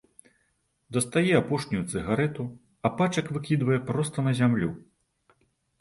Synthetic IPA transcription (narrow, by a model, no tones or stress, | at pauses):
d̪ɐst̪ajɛapɔʂnʲujut̪sɨɣaɾɛt̪u | ɐpat͡ʂɐkvɨkʲid̪vɐjɛpɾɔst̪ɐnɐzʲamlʲu